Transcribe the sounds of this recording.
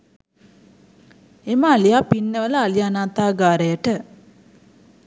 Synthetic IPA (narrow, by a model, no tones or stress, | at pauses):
eməalijaːpinːəʋələalianaːt̪aːɡaːɾəjəʈə